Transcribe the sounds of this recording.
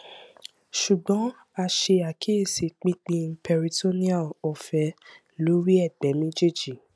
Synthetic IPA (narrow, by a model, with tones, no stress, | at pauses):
ʃu˨ɡ͡bɔ̃˨˦ | a˧ʃe˧a˨kʰi˦e˦˨si˧˨k͡pĩ˦k͡pĩ˧˦pɛ˧ɾi˧to˦ni˦a˦˨lɔ˨fɛ˨˦ | lo˨˦ɾi˦ɛ˦˨bɛ˨˦mĩ˦d͡ʒe˦˨d͡ʒi˦˨